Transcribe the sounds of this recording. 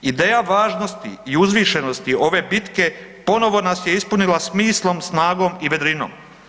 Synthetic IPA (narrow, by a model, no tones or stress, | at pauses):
id̪e̞ːjaʋaːʒno̞st̪ḭiuzʋiːʃe̞no̞st̪io̞ʋe̞bit̪ke̞ | po̞no̞ʋo̞nasjeispunilasmiːslo̞msnaːɡo̞miʋe̞d̪ɾino̞̰ːm